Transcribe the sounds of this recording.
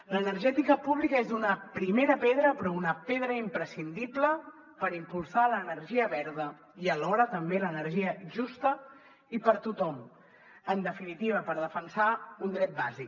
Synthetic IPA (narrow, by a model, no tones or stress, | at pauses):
lənəɾʒɛt̪ikəpuβlikəezðunəpɾimeɾəpeðɾəpɾɔunəpeðɾəimpɾəsind̪iblə | pəɾimpulˠsaləːnəɾʒiəβɛɾðə | iəlɔɾət̪əmbelənəɾʒiəʒust̪ə | ipəɾt̪ut̪ɔm | ənd̪əfinit̪iβ̞əpəɾðəfənsaund̪ɾɛt̪̚bazik